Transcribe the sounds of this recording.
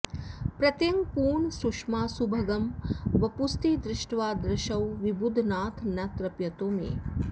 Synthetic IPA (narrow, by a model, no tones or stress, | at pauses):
pɾɐt̪jɐŋpuːɳsukʂmaːsubʱɐɡɐmʋɐpust̪iːd̪ɾɪʂʈʋaːd̪ɾɐʃɐwʋibud̪ʱnaːt̪ʰnɐt̪ɾɐpjɐt̪oːmḛː